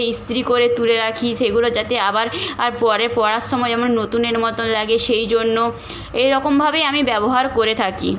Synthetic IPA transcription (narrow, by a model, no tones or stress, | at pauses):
ist̪ɾikoɾet̪uleɾakʰiʃeɡulod͡ʑat̪eabaɾaɾpɔɾepɔɾasʃɔmɔed͡ʑɛmonːot̪uneɾmɔt̪onlaɡeʃejd͡ʑonːo | ejɾɔkombʱabejamibɛboɦaɾkoɾet̪ʰakḭ